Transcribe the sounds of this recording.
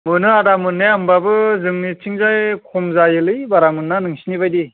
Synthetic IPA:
mɯnɯadamɯnːeambabɯzɯŋnit͡ʃʰiŋzajkʰɔmzajɯlɯjbaɾamɯnːanɯŋsinibajdi

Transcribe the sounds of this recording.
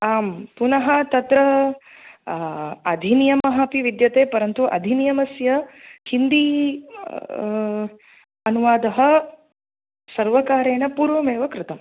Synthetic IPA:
aːmpunɐɦɐt̪ɐt̪ɾɐ | ɐd̪ʱinijɐmɐɦɐpiʋid̪jɐt̪eːpɐɾɐnt̪uʔɐ̰d̪ʱinijɐmɐsjɐhind̪i | ɐnuʋaːd̪ɐɦɐ | sɐɾʋɐkaːɾeːɳɐpuːɾʋɐmeːʋɐkɾɪt̪ɐm

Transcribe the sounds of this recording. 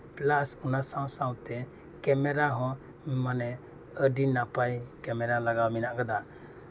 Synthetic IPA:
plasunasawsawt̪ɛ | kɛmɛɾaɦɔ̃ | manɛ | əɖinapajkɛmɛɾalaɡawminaʔkad̪a

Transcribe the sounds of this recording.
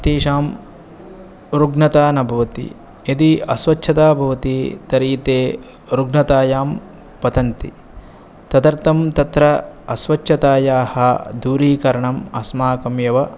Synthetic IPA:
t̪iːʃaːm | ɾuɡnɐt̪aːnɐbʱɐʋɐt̪ḭ | id̪iɐsʋɐt͡ʃʃʰɐt̪aːbʱɐʋɐt̪it̪ɐɾiːt̪eː | ɾuɡnɐt̪aːjaːm | pɐt̪ɐnt̪ḭ | t̪ɐd̪ɐɾt̪ɐmt̪ɐt̪ɾɐɐsʋɐt͡ʃʰɐt̪aːjaːhɐd̪uːɾiːkɐɾɐɳɐmɐsmaːkɐmjɐʋɐ

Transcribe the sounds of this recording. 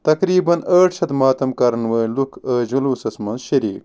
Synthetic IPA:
t̪ɐkɾiːbɐnɐːʈɕɐt̪maːt̪ɐmkɐɾɐnwɐːlukʰəːʑɐluːsɐsmɐnɕɐɾḭːk

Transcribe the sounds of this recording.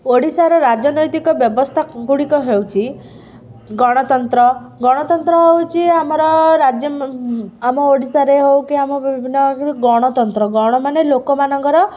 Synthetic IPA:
oɽisaɾɔɾad͡ʒɔnɔjt̪ikɔbjɔbɔst̪ʰaɡuɽikɔɦewt͡ʃʰi | ɡɔɽ̃ɔt̪ɔnt̪ɾɔɡɔɽ̃ɔt̪ɔnt̪ɾɔɦewt͡ʃʰiamɔɾɔɾad͡ʒjɔ | amɔoɽisaɾeɦewkiamɔbibibʱinːɔkɡɔɽ̃ɔt̪ɔnt̪ɾɔɡɔɽ̃ɔmanelokɔmanɔŋkɔɾɔ

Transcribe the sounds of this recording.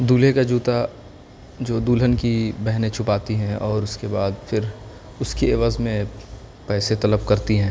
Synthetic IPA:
d̪uːlekad͡ʒuːt̪a | d͡ʒoːd̪uːlɦənkibɛɦnẽt͡ʃʰʊpaːt̪iɦɛ̃ʔɔːɾʊskebaːd̪fʰɪɾ | ʊskieʋaːzmẽ | pɛːset̪ɐləb̚kɐɾt̪iɦɛ̃ː

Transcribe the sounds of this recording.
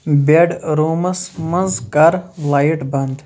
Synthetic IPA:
beɖɾoːmɐsmɐnzkɐɾlaːjʈbɐnd̪

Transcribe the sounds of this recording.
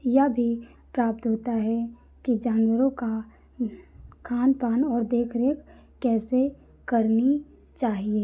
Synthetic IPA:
jɐbʱi | pɾaːp̚t̪ɦoːt̪aɦɛ | kid͡ʒaːnwəɾõka | kʰaːnpaːnɔːɾd̪eːkʰɾeːkː | ɛːse | kɐɾni | t͡ʃaːɦieː

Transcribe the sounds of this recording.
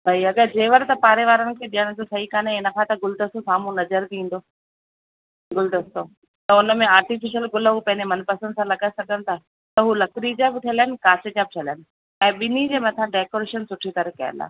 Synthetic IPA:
bʱɐiɐɠəɾd͡ʑeːʋəɾt̪ɐpaːɾeʋaːɾənɪ̆kʰeɗijəɽ̃̆d͡ʑosɐɦikaːneɪnə̆kʰãt̪ɐɡʊld̪ɐst̪osaːm̤ũnɐzəɾb̪ĩːn̆d̪oː | ɡʊld̪ɐst̪o | t̪ɐʊnə̆mẽaːɾʈifɪʃəlɡʊlɦupɐ̃ɦɪ̃ɲd͡ʑemɐnpɐsənsãlɐɡaːesɐɡənɪ̆t̪ʰaː | t̪ɐɦulɐkɾid͡ʑaːbɪʈʰielaɪnɪ̆kaːsed͡ʑaːbɪʈʰɐlaənɪ̆ | ɛ̃ːɓɪnid͡ʑeːmɐt̪ʰãɖeːkoːɾeːʃənsʊʈʰit̪ɐɾəkɐjə̰nd̪a̰ː

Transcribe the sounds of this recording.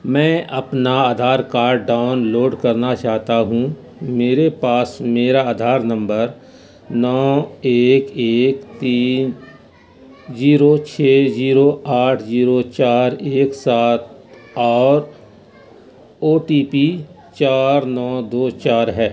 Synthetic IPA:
mɛ̃ːʔɐpnaaːd̪ʱaːɾkaːɾɖːaːʊnloːɖkɐɾnat͡ʃaːɦt̪aɦũ | meːɾepaːsmeːɾaaːd̪ʱaːɾnɐ̃mbəɾ | nɔːeːkeːkt̪iːn | ziːɾot͡ʃʰeːziːɾoaːʈʰziːɾot͡ʃaːɾeːksaːt̪̚ɔːɾ | oːʈiːpi | t͡ʃaːɾnɔːd̪oːt͡ʃaːɾɦɛː

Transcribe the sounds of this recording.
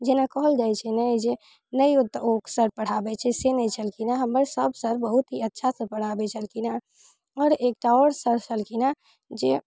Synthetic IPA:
d͡ʒenakɔɦəld͡ʒajt͡ʃʰɛnəjd͡ʒe | nəiut̪ːoksəɾpəɽ̤abɛt͡ʃʰɛsenəjt͡ʃʰəlkinaɦəməɾsəbsəɾbəɦut̪ɦiətːʃʰasəpəɽ̤abɛt͡ʃʰəlkina | ɔːɾek̚ʈaɔɾsəɾt͡ʃʰəlkina | d͡ʒe

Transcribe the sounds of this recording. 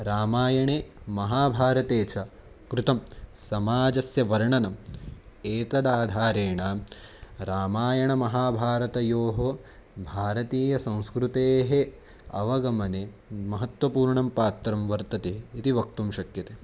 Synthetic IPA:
ɾaːmaːjɐɳeːmɐɦaːbʱaːɾɐt̪eːt͡ʃʰɐ | kɾut̪ɐmsɐmaːd͡ʒɐsjɐʋɐɾɳɐnɐm | eːt̪ɐd̪aːd̪ʱaːɾeːɳaː | ɾaːmaːjɐɳɐmɐɦaːbʱaːɾɐt̪ɐjoːɦo | bʱaːɾɐt̪iːjɐsɐ̃w̃skɾut̪eːɦe | ɐ̰ʋɐɡɐmɐnemɐɦɐt̪ʋɐpuːɾɳɐmpaːt̪ɾɐmʋɐɾt̪ɐt̪eːit̪iʋɐk̚t̪umʃɐkjɐt̪eː

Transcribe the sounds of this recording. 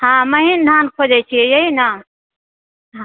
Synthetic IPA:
hãməɦind̪ʱaːnkʰod͡ʒɛt͡ʃʰijeɦinã | ɦã

